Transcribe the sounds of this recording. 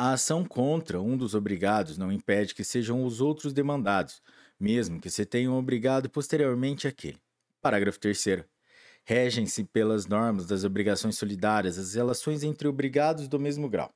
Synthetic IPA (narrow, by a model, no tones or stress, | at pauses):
ɐasɐ̃w̃kʰõt̪ɾɐũd̪ʊzobɾiɡad̪ʊznɐ̃w̃ĩpɛd͡ʒɪkɪseʒɐ̃w̃ʊzowt̪ɾʊzd̪emɐ̃nd̪ad̪ʊs | mezmʊkɪsɪt̪ẽɲɐ̃w̃obɾiɡad̪ʊpost̪eɾioɾmẽnt͡ʃɪakʰḛlɪ | paɾaɡɾɐfʊ̥t̪eɾseɾʊ | hɛʒẽj̃sɪpelɐznɔɾmɐzd̪ɐzobɾiɡasõj̃sːolid̪aɾiɐzɐzhelasõj̃zẽnt̪ɾɪobɾiɡad̪ʊzd̪ʊmezmʊɡɾa̰w